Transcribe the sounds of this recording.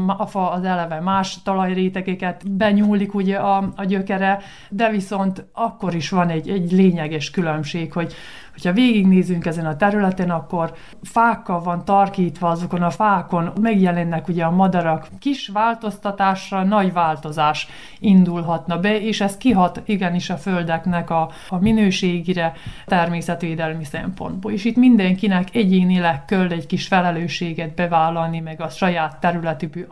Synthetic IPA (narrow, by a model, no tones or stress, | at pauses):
ɒfɒːzɛlɛvɛmaːʃt̪ɒlɒjreːt̪ɛɡɛkɛt̪bɛɲuːlikuɟɛɒɒɟø̞kɛɾɛ | d̪ɛviso̞nt̪ɒkːo̞ɾiʃʋɒnɛɟɛɟleːɲɛɡɛʃkylømʃeːkho̞ɟ | ho̞chɒveːɡiɡneːzyŋkɛzɛnɒt̪ɛɾylɛt̪enɒkːo̞r | faːkːɒlvɒnt̪ɒrkiːt̪ʋɒɒzoko̞nɒfaːko̞nmɛɡjɛlɛnːɛkuɟɛɒmɒd̪ɒɾɒkːiʃʋaːlt̪o̞st̪ɒt̪aːʃrɒnɒɟʋaːlt̪o̞zaːʃ | ind̪ulɦɒt̪nɒbɛeːʃɛst̪̚kiɦɒt̪iɡɛniʃɒføld̪ɛknɛkɒ | minøːʃeːɡiɾɛt̪ɛrmeːsɛt̪ʋeːd̪ɛlmisɛ̰mpo̞̰nd̪boːleːʃit̪mind̪ɛŋkinɛkɛɟeːnilɛkːølːɛɟkiʃfɛlɛløːʃeːɡɛd̪̚bɛvaːlːɒlnimɛɡɒʃɒjaːt̪ːɛɾylɛt̪iby